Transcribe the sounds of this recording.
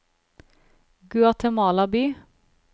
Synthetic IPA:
ɡʉɑt̪ʰɛmɑːlɑbiː

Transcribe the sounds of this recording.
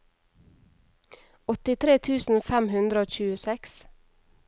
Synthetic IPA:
ɔt̪ɪt̪ʰɾeːt̪ʰʉːsn̩fɛmhʉnd̪ɾəoːc͡çʉːəsɛks

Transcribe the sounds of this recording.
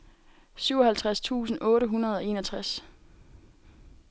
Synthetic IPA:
syʊ̰ɒ̽ɦhælt͡sʰʁast͡sʰṵːsn̩ʔɔ̽ːɾəɦunɐð̞ˠɒ̽e̝̰ːnɒt͡sʰʁas

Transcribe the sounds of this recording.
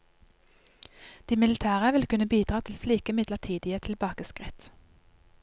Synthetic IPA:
d̪̥iːmɪlɪt̪ʰæːʁəʋɪlkʉnəbiːd̪ʁɑːt̪ʰɪlsliːkəmɪd̪ləʁt̪ʰiːd̪ɪət̪ʰɪlbɑːkəskʁɪt̪

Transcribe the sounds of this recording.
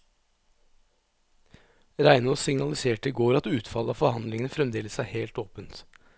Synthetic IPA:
ɾæɪnosɪŋnɑlɪseːʈəɡoːɾɑt̪ʉːt̪fɑləɑːfɔhɑnd̪lɪŋənəfɾɛmd̪eːləsæːheːlt̪oːpənt̪

